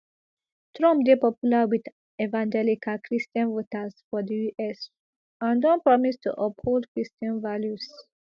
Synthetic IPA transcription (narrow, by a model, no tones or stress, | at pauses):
tʰɹɔ̃mpdepɔpjulawid̪ | evãnd͡ʒɛlikʰalkʰɹistə̃nvotasfɔdijuʔɛs | ãndɔ̃npɹɔmistṵʔɔpholdkɹistə̃nvaljus